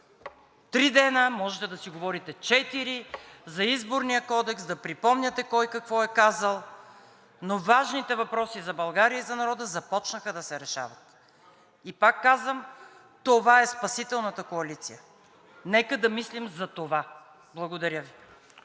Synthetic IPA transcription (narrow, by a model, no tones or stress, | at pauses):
t̪ɾid̪ɛnəmɔʒɛt̪ɛd̪ɐsiɡovɔɾit̪ɛt͡ʃɛt̪iɾizɐizboɾnijəkɔd̪ɛksd̪ɐpɾipɔmnʲɐt̪ɛkɔjkɐkvɔɛkazəlˠ | novaʒnit̪ɛvɐpɾɔsizɐbɐlˠɡaɾijəizɐnɐɾɔd̪əzɐpɔt͡ʃnəxəd̪ɐsɛɾɛʃa̰vɐt̪ | ipakːazvəm | t̪ovaɛspɐsit̪ɛlˠnət̪əkoɐlit̪sijə | nɛkəd̪ɐmislimzɐt̪ova | blˠɐɡod̪ɐɾjəvi